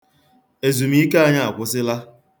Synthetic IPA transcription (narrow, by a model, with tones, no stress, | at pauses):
e˨zu˨m˦i˦ka˦a˦˨ɲa˦a˨kʷʊ˦sɪ˦la˦